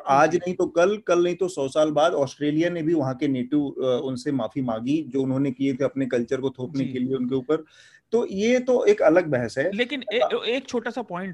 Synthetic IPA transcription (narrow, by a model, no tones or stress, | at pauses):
aːd͡ʒnɐɦĩt̪okɐlkɐlnɐɦĩt̪osɔːsaːlbaːd̪ɔːsʈɾeːlijanẽbʱiʋɐɦãkeneːʈɪʋʊnsemaːfimãːɡid͡ʒoːʊnɦõnekiet̪ʰeɐpnekɐlt͡ʃəɾkot̪ʰoːpnekelieʊnkeuːpəɾ | t̪ojet̪oʔeːkɐləɡ̚bɛɦəsɦɛːleːkɪnːeːk̚t͡ʃʰoːʈasapɔːɪ̃ɳʈ